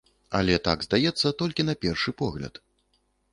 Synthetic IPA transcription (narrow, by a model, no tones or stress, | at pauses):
a̰lʲɛt̪aɡzd̪ajɛt̪sːɐt̪ɔlʲkʲin̪ɐpʲɛrʂɨpɔɣlʲɐ̰t̪